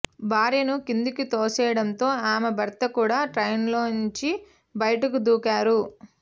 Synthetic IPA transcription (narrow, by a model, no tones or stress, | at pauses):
baːɾinukind̪ukit̪oːsɛːjɐɽɐnt̪o̞ːaːmebʱɐɾt̪ɐkuːɽaːʈɾɐjnloːniɲt͡ʃi | bɐjɐʈɐkud̪uːkaːɾu